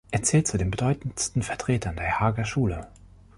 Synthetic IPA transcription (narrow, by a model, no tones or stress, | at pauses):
ʔeːɐt͡sɛːlt̚t͡sudeːnbədɔʏtn̩stn̩fɛɐtʁ̥eːtʰɐndeːɐhaːɡɐʃuːlə